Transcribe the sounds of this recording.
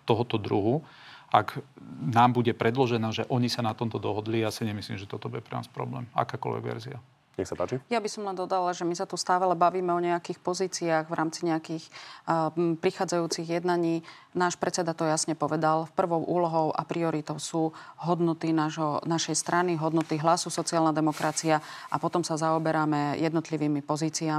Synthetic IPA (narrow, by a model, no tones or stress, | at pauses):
t̪ɔɦɔt̪ɔd̪ɾuɦu | aknaːmbuɟɛpɾɛd̪lɔʒɛnaːʒɛʔɔɲisanat̪ɔmt̪ɔd̪ɔɦɔd̪lijaːsiɲɛmisliːmʒɛt̪ɔt̪ɔbuɟɛpɾɛna̰ːspɾɔ̰blɛ̰ːma̰kaːkɔ̰lʋɛ̰ɡʋɛ̰ɾzia | ɲɛxsapaːt͡ʃijabisɔmlɛnd̪ɔd̪alaʒɛmisat̪ust̪aːlɛalɛbaʋiːmɛɔɲɛakiːxpɔziːt͡siaːɣʋɾʔaːmt͡siɲɛakiːx | pɾixaːd͡zajuːt͡siɣjɛd̪naɲiːnaːʃpɾɛt͡sɛd̪at̪ɔjasɲɛpɔʋɛd̪alfpr̩ʋɔʊʔuːlɔɦɔʊʔa̰pɾiɔɾit̪ɔʊsuːɦɔd̪nɔt̪inaʒɦɔnaʃɛjst̪ɾʔaniɦɔd̪nɔt̪iɦlasusɔt͡sialnad̪ɛmɔkɾat͡siaʔapɔt̪ɔmsazaɔbɛɾamɛjɛd̪nɔt̪liʋiːmipɔziːt͡sia